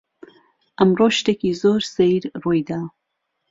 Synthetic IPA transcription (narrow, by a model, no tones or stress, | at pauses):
ʔɐmroːʃt̪eːkizoːɾsejɾroːjd̪a